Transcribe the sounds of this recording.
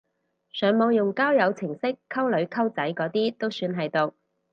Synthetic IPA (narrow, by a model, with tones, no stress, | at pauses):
sœː˨˥ŋmo˨˧wjʊ˨˩ŋkaː˥wjɐ˨˧wt͡sʰɪ˨˩ŋsɪ˥kʰːɐ˥wlɵ˨˧ɥkʰɐ˥wt͡sɐ˨˥jkɔː˨˥t̪iː˥t̪o˥wsyː˧nɦɐ˨jt̪ʊ˨